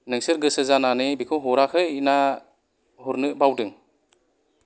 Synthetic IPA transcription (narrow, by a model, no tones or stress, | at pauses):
nɯŋsɯɾɡɯsɯzananɯbikʰɔwɦɔɾakʰɯjina | huɾnɯʔbawdɯŋ